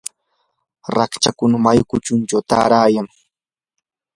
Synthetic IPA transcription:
ɾakt͡ʃakʊnamajkʊt͡ʃʊnt͡ʃawt̪a̰ːɾaːjaŋ

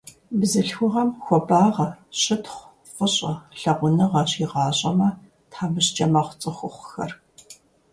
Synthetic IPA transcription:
bzɨɬxʷʊʁɐmxʷɔbaːʁɐɕɪtχʷ | fʷəɕʼɐɬɐʁʷʊnɨʁɐɕiːʁɑːɕʼɐmɐ | tħaːmɨɕt͡ʃʼɐmɐχʷʊt͡sʼɨxʷʊχʷxɐ̰r

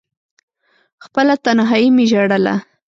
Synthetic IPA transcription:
xpəlat̪anɦɑjimɪʒaɽəla̰

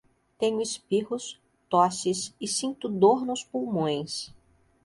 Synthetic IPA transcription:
t̪ẽɲʊɪspiɦʊs | t̪ɔsɪsɪsĩnt̪ʊd̪oɾnʊspuwmõj̃s

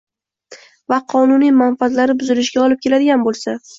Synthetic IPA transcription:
vaqʰɒnʊnijmanfat̪laɾɪbʊzɪlɪʃɡʲaɒlɪp̚kʲʰe̞lad̪ɪɡʲanbolˠsa

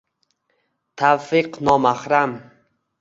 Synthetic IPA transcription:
t̪ʰafɪqnɒmaχɾam

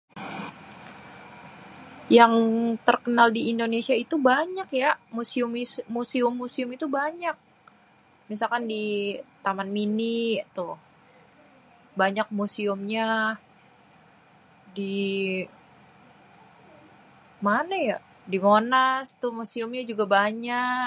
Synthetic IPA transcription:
jaŋt̪ərkənaldiːndonesiait̪ubaɲakjamusiʊmmusiʊmːusiʊmit̪ubaɲak̚ | mis̬alkandit̪amanminit̪ʊ | baɲak̚musiʊmɲa | di | manaja | dimonast̪ʊhmusiʊmɲad͡ʒuɡabaɲa

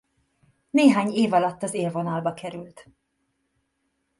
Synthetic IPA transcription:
neːɦaːɲeːvɒlɒt̪ːɒzeːlvo̞nɒlbɒkɛɾylt̪

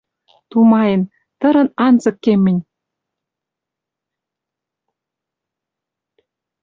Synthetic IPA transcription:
t̪umɑjə̆n | t̪ə̆ɾɤ̆nɑnzɤ̆kːemɘ̆nʲ

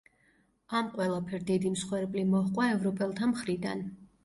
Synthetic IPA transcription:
amqʼwɛlˠapʰɛɾd̪id̪imsχwɛɾpʼlimɔhqʼwaɛvɾɔpʼɛlˠt̪ʰamχɾid̪a̰n

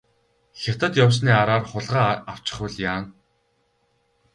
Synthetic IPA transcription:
xʲat̪ə̆t̪jaws̬niːaɾaːrχʊɮʁaːaw̥t͡ɕɪ̥̆χʊɮjaːn

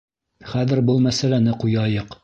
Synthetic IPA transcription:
χæðɘ̆ɾbulˠmæsælænɘqujɑjɤq

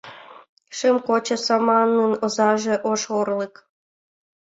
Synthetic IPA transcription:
ʃemkot͡ɕɤ̆sɑmɑnːɨnŏzɑʒĕʔoʃorlˠɤk

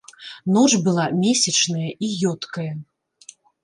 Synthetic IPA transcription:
nɔt͡ʂbɨlˠamʲesʲɐt͡ʂnɐjɐʔijɔt̪kɐjɐ

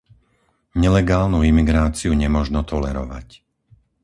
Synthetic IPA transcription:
ɲɛlɛɡaːlnuimiɡɾaːt͡siuɲɛmʊɔʒnɔt̪ɔlɛɾɔ̰ʋa̰c

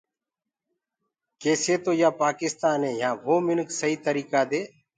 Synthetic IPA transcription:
keːseːt̪oːjaːpaːkɪst̪aːnẽːjãːʋoːmɪnksəɦiːt̪əɾiːkaːd̪eː

